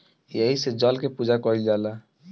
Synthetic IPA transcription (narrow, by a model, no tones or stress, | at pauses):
jeɦised͡ʒɔlkepud͡ʒakɔild͡ʒala